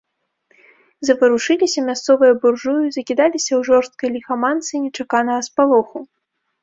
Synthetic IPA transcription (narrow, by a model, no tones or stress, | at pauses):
zɐpɐɾuʂɨlʲisʲɐmʲast̪sɔvɨjɐburʐujuzɐkʲid̪alʲisʲɐwʐɔrst̪̚kɐjlʲixamant̪sɨnʲɛt͡ʂakanɐɣɐspalˠɔxu